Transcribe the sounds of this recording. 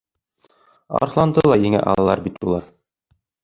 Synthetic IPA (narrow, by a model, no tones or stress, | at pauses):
ɑ̰ɾχlˠɑnd̪ɤlˠɑjɘ̆ŋæ̰ʔɑ̰lˠɑlˠɑɾbit̪ulˠɑɾ